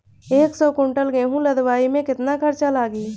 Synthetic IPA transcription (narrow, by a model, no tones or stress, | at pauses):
eːksɔːkõːɳʈəlɡẽːɦũləd̪waːimẽkɪt̪nakʰɐɾt͡ʃalaːɡiː